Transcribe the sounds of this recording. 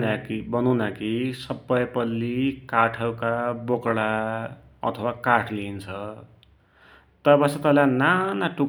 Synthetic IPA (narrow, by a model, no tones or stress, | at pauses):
akibʌnʌwnakisʌbːʌjpʌlːikaʈʰʌwkabokɽa | ʌ̰t̪ʰʌwakaʈʰlint͡sʰʌ | t̪ʌpasʌt̪ʌlananaʈu